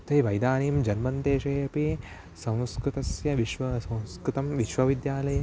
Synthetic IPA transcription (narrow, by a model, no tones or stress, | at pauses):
t̪ɐiʋɐjd̪aːniːmd͡ʒɐnmɐnt̪eːʃɐːjɐpi | sɐ̃w̃skɾut̪ɐsjɐʋiʃʋɐsɐ̃w̃skɾut̪ɐmʋiʃʋɐʋid̪jaːlɐjɐ